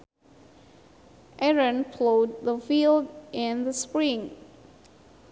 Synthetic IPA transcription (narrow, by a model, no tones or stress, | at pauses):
ʔɛɹə̃npʰloʊd̪̚ðəfilˠdʔɨ̃nðəspɹĩŋ